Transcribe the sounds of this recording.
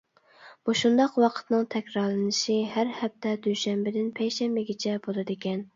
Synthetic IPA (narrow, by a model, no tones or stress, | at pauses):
b̥uʃund̪ɑqwɑqʰə̥t̪nɨŋt̪ʰɛkʲɾɑɾlˠɨnɨʃiɦæɾhɛp̚t̪ʰɛd̪yʃɛmbɪd̪ɪnpʰɛjʃɛmbɪɡʲit͡ʃʰɛbolˠɨd̪ekʲɛn